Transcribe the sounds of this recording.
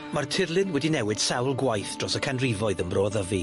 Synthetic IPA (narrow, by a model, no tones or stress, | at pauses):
martʰɪrlˠɪnwɛdinɛwɨd̥sawlˠɡwajθd̥rɔsəkʰanrivɔɨðənbroːðəvi